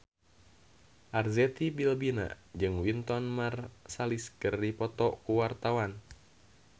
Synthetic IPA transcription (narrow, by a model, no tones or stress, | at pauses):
ʔarzɛt̪ibilbina̰d͡ʒɨŋwint̪ɔnmarsaliskɨrdipɔt̪ɔkuwart̪awan